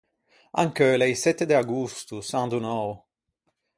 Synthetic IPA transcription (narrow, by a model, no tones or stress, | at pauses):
a̰ŋkølɛjsɛt̪ːed̪eaɡust̪usand̪unɔw